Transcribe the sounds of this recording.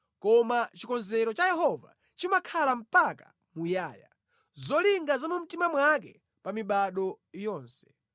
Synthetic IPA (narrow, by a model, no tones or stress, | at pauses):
kɔmat͡ʃikɔnzɛɾɔt͡ʃajɛɦɔva̰ | t͡ʃimakʰalam̩paka | mujaːja̰ | zɔliŋɡazamum̩timamwak̬ɛ̰ | pamiɓaɗɔ | jɔːnsɛ̥